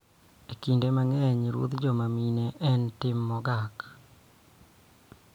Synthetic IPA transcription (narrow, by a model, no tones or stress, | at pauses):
ekindemaŋɛɲɾuo̰t̪d͡ʒɔmamineʔɛntɪmːɔɡak